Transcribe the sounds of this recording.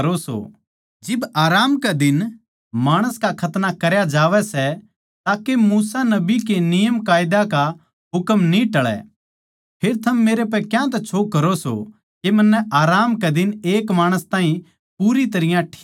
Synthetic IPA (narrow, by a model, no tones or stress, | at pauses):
ɾoso̰ | d͡ʒɪbaːɾaːmkɛd̪ɪn | maːɽ̃əskakʰɐt̪nakɐɾjad͡ʒaːʋɛsɛ | t̪aːkemuːsanɐbikenɪjəmkaːɪd̪aka | ɦʊkəmnĩʈɐɭɛ̰ | pʰeːɾt̪ʰɐmːeːɾep̬ɛkjãt̪̬ɛt͡ʃʰoːkːɐɾoso̰ | kemɐnːɛʔaːɾaːmkɛd̪ɪneːkmaːɽ̃əst̪ãːɦĩ | puːɾit̪̬ɐɾɪjãʈʰː